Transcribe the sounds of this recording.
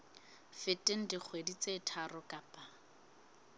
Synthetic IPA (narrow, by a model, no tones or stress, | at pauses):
fɪtʼɪn̩dɪk͡xʰwedit͡setʰarʊkʼapʼa